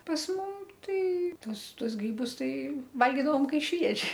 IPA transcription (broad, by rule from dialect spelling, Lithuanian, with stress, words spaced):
pɐs ˈmʊm ˈtɐɪ ˈtuɔs ˈtuɔs ˈɡrʲiːbʊs ˈtɐɪ ˈʋɐlʲɡʲiːdɐʋoːm ˈkɐɪ ʃʲʋʲiɛʒʲɪ